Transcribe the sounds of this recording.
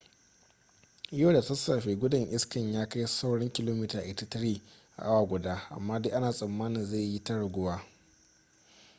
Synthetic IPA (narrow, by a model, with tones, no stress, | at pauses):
ʔɪ˦joː˦˨da˨tɐ˦sːa˨ɸeː˨ɡʷʊ˦dɐ˨ŋʔɪ˦skɐ˨ɲjaː˦ka˦jsa˦wɽɪ˦ŋkʲɪ˦loː˦mɪ˦taː˨ʔɪ˨ta˦tɐ˦ɽiː˦ʔa̰˨ʔa˦waː˨ɡʷʊ˨daː˦ʔa̰˨mːaː˦de˦ʔa˦naː˨sʼɐ˨mːaː˦nɪ˨nza˦˨ji˦tɐ˦ɽɐ˨ɡʷʊ˦waː˦